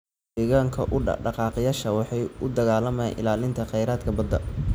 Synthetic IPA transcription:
iːɣaːŋkʰɐ̰ʔʊ̰ɖɑqɑːqjaːʃɐwɑħɑjʔʊd̪ɐɣaːlɐmaːnʔɪ̰laːlɪnt̪ʰɐqɛjɾaːd̪kʰɐbɐd̪ːɐ

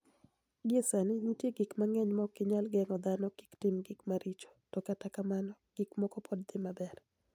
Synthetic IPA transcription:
ɡɪesanɪɲitjeɡɪkmaŋɛɲmɔkɪɲalɡɛŋɔd̪anɔki̥ktɪmɡɪkmaɾit͡ʃo̥tɔkatakamanɔ | ɡ̥ɪkmɔkɔpʰɔd̚d̪ɪmabɛr

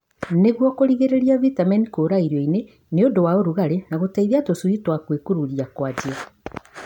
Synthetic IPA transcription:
neɣwɔkoɾiɣeɾeɾiavitamɛnikoɾaiɾɔine | neodowaoɾuɣaɾenaɣotaiðiatosuitwakwekuɾuɾiakwad͡ʒia

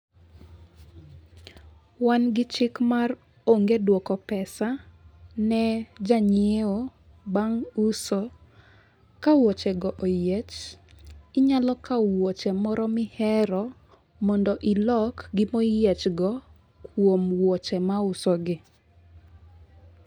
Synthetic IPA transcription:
wanɡɪt͡ʃɪkmar | oŋɡedwɔkɔpɛsanɛd͡ʒaɲeo | baŋusɔ | kawɔt͡ʃɛɡɔʔojet͡ʃ | ɪɲalɔkawɔt͡ʃɛmɔɾɔmɪhɛɾɔ | mɔndɔʔilɔkɡɪmojɛt͡ʃɡɔ | kwomwɔt͡ʃɛmaʊsɔɡɪ

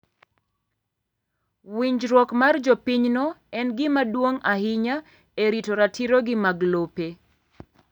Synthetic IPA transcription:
wiɲd͡ʒɾwɔkmard͡ʒɔpiɲnɔɛnɡɪmadwoŋahɪɲa | eɾitoɾatʰiɾoɡɪmaɡlope

